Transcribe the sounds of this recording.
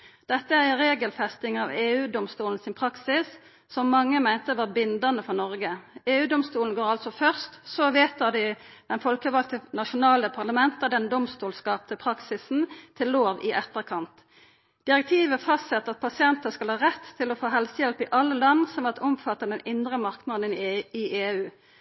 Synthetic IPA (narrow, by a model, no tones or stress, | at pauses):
d̪̥ɛt̪ːəæʁɪɾeːɡəlfɛst̪ɪŋɑʋeːʉːd̪ɔmst̪uːln̩sɪnpʰʁɑksɪs | sɔmːɑŋːəmæɪnt̪əʋɑːbɪnd̪ɑnəfɔʁnɔʁɡəeːʉːd̪ɔmst̪uːln̩ɡoːɾɑlt̪sɔfœʁst̪sɔʋeːt̪əd̪ɪd̪̥ɛnfɔlkəʋɑlk̪ənɑʃʊnɑːləpʰɑʁlɑmɛnt̪əd̪ɛnd̪ɔmst̪uːlskɑːp̚t̪əpʰʁɑksɪsn̩t̪ʰɪllːoːʋɪʔɛt̪ːəʁkʰɑnt̪ | d̪̥ɪʁɛk̚t̪ʰiːʋəfɑst̪sɛt̪ːəʁɑt̪̚pʰɑsɪɛnt̪əskɑlhɑːʁɛt̪ʰːɪlɔfoːɦɛlsəjɛlpɪʔɑlːəlɑnsɔmɑt̪ʰɔmfɑt̪ːɑd̪ɛnɪnd̪ʁəmɑʁknɑd̪ən̩ɪʔeːʉː